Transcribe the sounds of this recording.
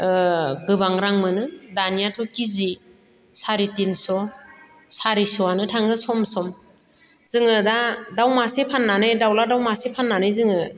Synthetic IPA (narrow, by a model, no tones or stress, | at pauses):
ɡɯbaŋɾaŋmɯnɯdanijatʰɔkizi | saɾitinsɔ | saɾisɔanɯtʰaŋɯsɔmsɔm | z̥ɯŋɯdadawmasepʰanːanɯjdawladawmasepʰanːanɯjzɯŋɯ